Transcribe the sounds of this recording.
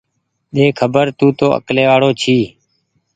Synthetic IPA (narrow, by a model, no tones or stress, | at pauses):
ɗ̪eːkʰəbəɾt̪uːt̪oːʔə̰kleːʋaːɽoːt͡ʃʰiː